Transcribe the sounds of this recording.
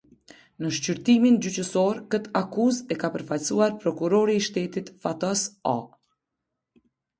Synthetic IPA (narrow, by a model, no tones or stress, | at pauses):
nəʃcyɾt̪imind͡ʑyt͡ɕəsɔɾkət̪akuzɛkapəɾfalsuaɾpɾɔkuɾɔɾiːʃt̪ɛt̪it̪fat̪ɔsa